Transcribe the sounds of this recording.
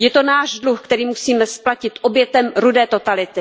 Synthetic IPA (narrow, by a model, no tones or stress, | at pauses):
jɛt̪o̞naːʒdluxkt̪ɛɾiːmusiːmɛsplacɪt̪ʔo̞bjɛt̪ɛmɾudɛːt̪o̞t̪alɪt̪ɪ